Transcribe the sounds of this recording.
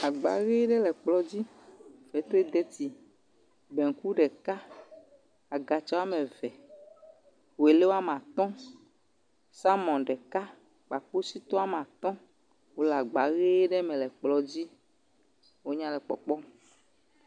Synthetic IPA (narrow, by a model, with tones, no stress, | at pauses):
a˨ɡ͡ba̰˨ɣe˦ɖɛ˦lɛ˨k͡plɔ˦d͡ʑi˦ | vɛ˨˦t̪o˦e˦d̪ɛ˦t̪i˨ | bɛ˨ŋ̩˨ku˦ɖɛ˨ka˦ | a˨ɡa˨t͡ʃa˦a˦mɛ̃˨vɛ˨ | wo˨e˨le˦wo˦a˦m˨ã˨t̪ɔ̃˦ | sa˦mɔ̃˨nɖɛ˨ka˦ | k͡pa˨k͡po˦si˦t̪ɔ˦a˦m˨ã˨t̪ɔ̃˦ | wo˦la˨ɡ͡ba˨˦ɣe˦ɖɛ˦mɛ̃˨lɛ˨k͡plɔ˨d͡ʑi˦ | wo˦ɲã˦lɛ˨k͡pɔ̰˨k͡pɔ˦